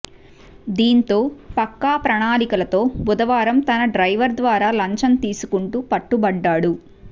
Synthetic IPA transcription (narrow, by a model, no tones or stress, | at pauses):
d̪iːnt̪o̞ːpɐkːaːpɾɐɳaːlikɐlɐt̪o̞ːbud̪ɐʋaːɾɐmt̪ɐnɐɖɾɐjʋɐɾd̪ʋaːɾaːlɐɲt͡ʃɐnt̪iːsu̥kuɳʈuːpɐʈːubɐɖːaːɽu